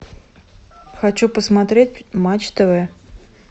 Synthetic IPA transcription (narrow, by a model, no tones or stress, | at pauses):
xat͡ɕupəsmat̪ɾʲet̚ʲmat͡ɕt̪əvə